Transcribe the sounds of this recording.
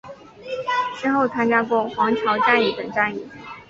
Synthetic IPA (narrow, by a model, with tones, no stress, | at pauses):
ʂɻ̩˥xo˥˩ʊt̪ʰa˥nt͡ɕja˥pwɔ˥xwɑ˧˥ŋt͡ɕʰjɑ˧˥ʊʈ͡ʂa˥˧ni˥˩t̪ə̰˨˩ŋʈ͡ʂa˥˧ni˥˩